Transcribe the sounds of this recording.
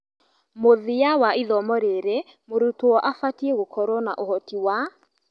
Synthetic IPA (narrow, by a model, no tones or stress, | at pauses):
moðijawaiðɔmɔɾeɾe | moɾutoɔʔafatieɣokʰɔɾɔna̰ʔohɔtiwa